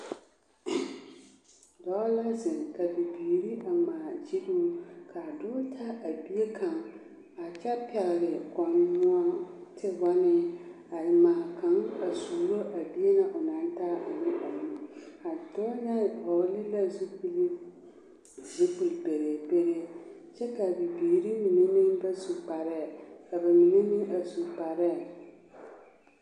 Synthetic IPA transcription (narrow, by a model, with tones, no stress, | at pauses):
dɔ˦la˦zɪ˨ŋka˨bi˨biː˨ɾi˦ʔa˨maː˨d͡ʒi˦duː˦kʰa˨dʊː˦tʰa˦ʔa˨bi˦e˦kʰa˨ŋ | a˨t͡ʃɛ˦pɛ˨ɣɪ˨ɾɪ˨kɔ˨n˦nʊ˦a˦tɪ˦ba˦nɪ˦ | a˨ɪ˨maː˨ka˨˦ŋa˨su˨ɾo˦ʔa˨bi˦e˦nã˦ʔɔ˨nã˨˦n˦tʰa˦a˨nɪ̃˦ʔɔ˨nũ˦a˨dɔ˦nã˦˨hɔ˨˦lɪ˦la˦˨su˦pi˦li˦ | zi˦pu˨lbe˨ɾe˨be˦ɾe˦ɕɛ˦ka˨bi˨biː˨ɾi˦mĩ˨nẽ˦mĩ˦n˦bɛ˦su˨pa˨ɾɛ˦˨a˨bɛ˨mĩ˨nẽ˦mĩ˦nʔa˨su˨pa˨ɾɛ˦˨